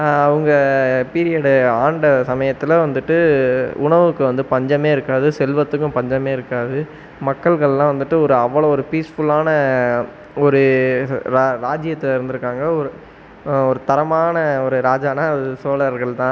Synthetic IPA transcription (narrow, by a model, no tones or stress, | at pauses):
ɯŋɡɐpiːɾɪjɐɽɯaːɳɖɐsɐmɐjɐt̪ːɪlɐʋɐnd̪ɯʈːɯʊɳɐʋɯkːɯʋɐnd̪ɯpɐɲd͡ʒɐmeːɪɾɯkːaːðɯsɛlʋɐt̪ːɯk̬ːʊ̃mpɐɲd͡ʒɐmeːɪɾɯkːaːðɯ | mɐkːɐɭɣɐɭɛlːãːʋɐnd̪ɯʈːɯɔɾɯɐʋːɐɭoɔɾɯpiːsfʊlaːnɐ | ɔɾɯɾaɾaːd͡ʒɪjɐt̪ːɐɪɾɯnd̪ɯɾɯkːaːŋɡɐɔɾɯ | ɔɾɯt̪ɐɾɐmaːnɐɔɾɯɾaːd͡ʒaːnaɐðɯsoːlɐɾɣɐɭt̪ãː